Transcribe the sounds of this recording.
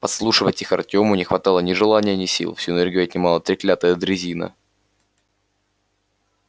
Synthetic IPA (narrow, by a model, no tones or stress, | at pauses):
pɐt̪slˠuʂɨvətʲixɐ̰rtʲo̞mʊnʲɪxvɐt̪ɑlˠənʲɪʐɨlˠanʲɪjənʲɪsʲḭlˠfsʲuɪnɛrɡʲɪjʊɐt̪ʲnʲɪmalˠət̪ɾʲɪklʲat̪əjəd̪ɾʲɪzʲinə̰